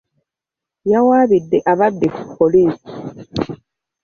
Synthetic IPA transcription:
jawaːβidːeʔaβadːeku̥pːoliːsi̥

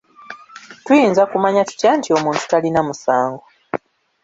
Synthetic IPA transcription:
tujiːnzakumaɲatu̥caːntio̞muːntu̥talinamusaːŋɡo

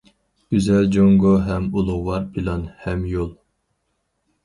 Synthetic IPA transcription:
ɡ̥ʲyzɛld͡ʒoŋɡoɦɛmulˠʊʁwɑɾpʰilˠɑnhɛmjolˠ

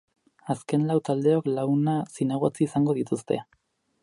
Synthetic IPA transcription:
aske̞nlawt̪ald̪e̞o̞klaunasinaɣ̞ot͡siːsaŋɡo̞ð̞it̪ust̪e̞̰

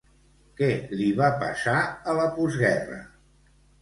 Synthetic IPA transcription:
kɛliβapə̰saələpuzɣɛrə̰

